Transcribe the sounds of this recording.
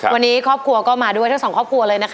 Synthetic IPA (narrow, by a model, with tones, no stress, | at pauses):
kʰwa˧nːiː˦˥kʰɔː˥˩p̚kʰu˧ɐkɔː˥˩maː˧du˥˩jt̪ʰŋsɔ˩˦ŋkʰɔː˥˩p̚kʰu˧ɐ˧lɤː˧jna˦˥kʰ